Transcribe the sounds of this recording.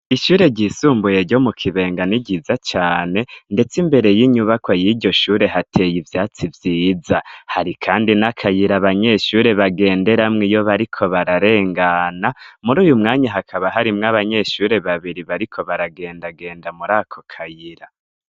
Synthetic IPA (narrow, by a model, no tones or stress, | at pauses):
iʃuːɾe̞ɟisuːmbuje̞ɾɟo̞mukʰiβe̞ːŋɡaniɟizat͡ʃaːne̞nde̞t͡simbe̞ɾe̞jiɲuβakwajiɾɟo̞ʃuːɾe̞ɦatʰe̞jivjaːt͡sivjiːzahaɾikʰaːndinakʰajiɾaβaɲe̞ʃuːɾe̞βaɡe̞ːnde̞ɾamŋijo̞βaɾikʰo̞βaɾaɾe̞ːŋɡanamuɾuːjumŋaːɲaɦakʰaβaɦaɾimŋaβaɲe̞ʃuːɾe̞βaβiɾiβaɾikʰo̞βaɾaɡe̞ːndaɡe̞ːndamuɾaːkʰo̞̥kʰajiɾa